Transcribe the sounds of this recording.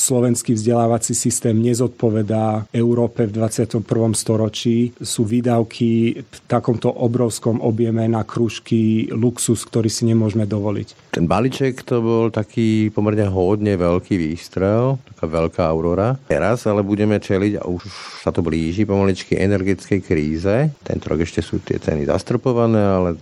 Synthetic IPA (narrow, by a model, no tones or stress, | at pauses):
slɔʋɛnskivzɟɛlaːʋat͡sisist̪ɛːmɲɛzɔt̪̚pɔʋɛd̪aɛuʊɾɔːpɛvd̪ʋat͡sɪat̪ɔmpr̩ʋɔmst̪ɔɾɔt͡ʃiːsuːʋiːd̪aʊkʰift̪akɔmt̪ɔʔɔbɾɔʊskɔmʔɔbjɛmɛnakɾuːʃkiluksuskt̪ɔɾiːsiɲɛmʊɔʒmɛd̪ɔʋɔlḭct̪ɛnbalit͡ʃɛkt̪ɔbɔlt̪akʰiːpɔmɛɾɲɛɦɔd̪ɲɛʋɛʎkʰiːʋiːst̪ɾɛʊt̪akaːʋɛʎkaaʊɾɔɾaɛ̰ɾazalɛbuɟɛmɛt͡ʃɛliɟa̰ʔuʃsat̪ɔbliːʒipɔmalit͡ʃkiʔɛnɛɾɡɛt͡skɛjkɾiːzɛt̪ɛ̰nt̪ɔɾɔ̰ɡɛʃcɛsuːt̪ɪɛ̰t͡sɛ̰nḭza̰st̪r̩pɔʋanɛːalɛ